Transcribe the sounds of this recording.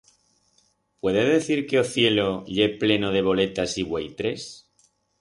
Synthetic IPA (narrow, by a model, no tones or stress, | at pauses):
pwe̞ðeðe̞θiɾkeoθje̞lo̞ʎeple̞noð̞e̞β̞o̞le̞t̪asiβwejt̪ɾe̞s